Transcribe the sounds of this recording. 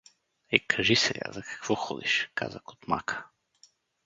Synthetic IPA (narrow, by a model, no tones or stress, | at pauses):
ɛkʰɐʒisɛlʲa̰zɐkɐ̥kv̥ɔxɔd̪iʃka̰zakot̪makʰə̥